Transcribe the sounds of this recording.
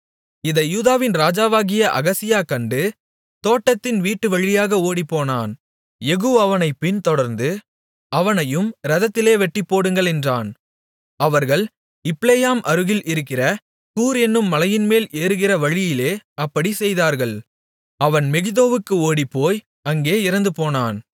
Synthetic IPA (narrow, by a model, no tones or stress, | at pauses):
ɪðɐjuːðaːʋɪnɾaːd͡ʒaːʋaːɣɪjɐʔɐ̰ɣɐsɪjaːkɐɳɖɯ | t̪oːʈːɐt̪ːɪnʋiːʈːɯʋɐɻɪjaːɣɐoːɽipːoːna̰ːn | jɛɣuːɐʋɐnɐɪpːɪnt̪ɔɽɐɾnd̪ɯ | ɐʋɐnɐjɯmɾɐðɐt̪ːɪleːʋɛʈːɪpːoːɽɯŋɡɐɭɛndraːn | ɐʋɐɾɣɐɭ | ɪplejaːmʔɐɾɯɣɪlʔɪɾɯkːɪrɐ | kuːɾɛnːɯmːɐlɐjɪnmeːlʔeːɾɯɣɪrɐʋɐɻɪjɪleːɐpːɐɽisɛjðaːɾɣɐɭ | ɐʋɐnmɛɣɯðoːʋɯkːɯoːɽipːoːj | ɐŋɡeːɪɾɐnd̪ɯpoːnaːn